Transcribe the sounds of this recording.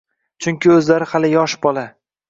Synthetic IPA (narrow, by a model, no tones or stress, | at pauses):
t͡ʃʰʊŋkʲʰɪɵzlaɾɪhalɪjɒʃbɒlˠa